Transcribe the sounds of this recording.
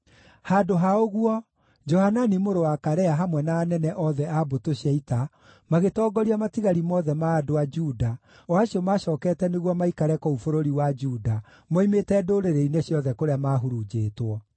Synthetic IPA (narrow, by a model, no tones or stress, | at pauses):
hadoɦaoɣuɔ | d͡ʒɔhananimoɾowakaɾɛaɦamwɛnaːnɛnɛʔɔðɛabotoɕiaita | maɣetɔːɡɔɾiamatiɣaɾimɔðɛmaːdoad͡ʒuda | ɔaɕiɔmaɕɔːkɛtɛneɣwɔmaikaɾɛkɔufoɾoɾiwad͡ʒuːda | mɔimetɛdoːɾeɾeineɕjɔðɛkoɾeamaːɦuɾud͡ʒeːtwɔ